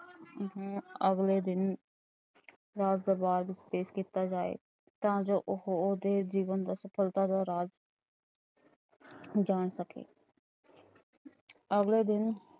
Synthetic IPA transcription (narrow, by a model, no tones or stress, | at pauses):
ɦə̃ːəɡleːd̪ɪn | ɾaːd͡ʒd̪əɾbaːɾbɪspeːʃkiːt̪aːd͡ʒaːḛː | t̪ãːd͡ʒoːʔʊɦd̪eːd͡ʒiːʋənd̪aːsəpʰəlt̪ad̪aːɾaːd͡ʒ | d͡ʒaːɳsəkḛː | əɡleːd̪ɪn